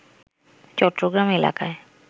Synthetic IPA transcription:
t͡ʃɔʈɾoɡɾamela̰kae

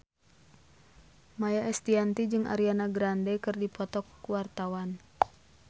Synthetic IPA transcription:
majaɛst̪iant̪id͡ʒɨŋa̰ɾianaɡɾandɛkɨrdipɔt̪ɔkːuwart̪awan

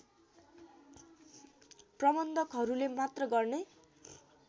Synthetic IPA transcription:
prʌbʌnd̪ʱʌkɦʌɾulemat̪rʌɡʌrne

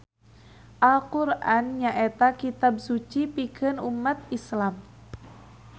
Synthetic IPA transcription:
ʔalqurʔanɲaʔet̪akit̪ab̚sut͡ʃipikɨnumːat̪̚islam

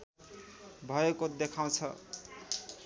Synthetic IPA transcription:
bʱʌekod̪ekʰaw̃t͡sʰʌ̰

